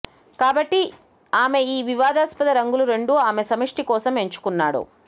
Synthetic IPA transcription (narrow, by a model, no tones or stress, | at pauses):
kaːbɐʈːi | aːme̞iːʋiʋaːd̪aːspɐd̪ɐɾɐŋɡuluɾe̞ɳɖuaːmesɐmɐʂʈikɔːsɐme̞ɲt͡ʃu̥kunːaːɽṵ